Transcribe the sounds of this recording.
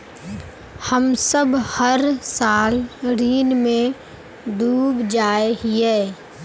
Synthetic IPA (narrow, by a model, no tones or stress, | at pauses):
həmsəbhəɾsaːlɾiːnmẽ | d̪uːbd͡ʒaːeɦiɛː